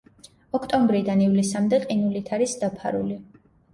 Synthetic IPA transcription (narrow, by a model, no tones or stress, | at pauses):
ɔkʰt̪ʼɔmbɾid̪anivlisamd̪ɛqʼinulit̪ʰaɾisd̪apʰaɾṵli